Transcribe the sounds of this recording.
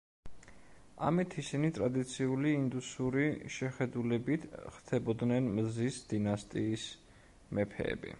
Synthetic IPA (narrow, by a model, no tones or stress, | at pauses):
a̰mit̪ʰisinit̪ʼɾad̪it̪sʰiuliːnd̪usuɾiʃɛχɛd̪ulɛbit̪ʰχt̪ʰɛbɔd̪nɛnmzisd̪̥inast̪ʼiːs | mɛpʰɛ̰ːbḭ